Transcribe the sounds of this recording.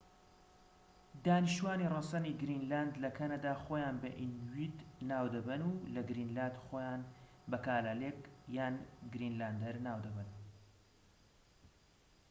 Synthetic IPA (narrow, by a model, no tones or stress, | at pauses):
d̪aːniʃt̪uwaːniːrɑsɐniːɡɾinlaːnd̪lɐkʰɐnad̪aːxoːjaːnbɐ̰ʔinwiːd̪naːwd̪ɐbɐnulɐɡɾiːnlaːnd̪xoːjaːnbɐkaːlaleːkjaːnɡɾinlaːnd̪ɐɾnaːwd̪ɐbən